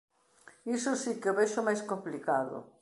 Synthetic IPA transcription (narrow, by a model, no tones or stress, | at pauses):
isʊsikeoβeʃomajskomplikaðo̰